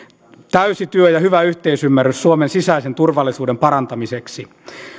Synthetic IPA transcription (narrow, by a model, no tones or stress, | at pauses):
t̪æysit̪yøjɑhyʋæyht̪eisymːærːyssuomensisæisent̪urʋɑlːˑisuːdempɑɾɑnt̪ɑmiseksi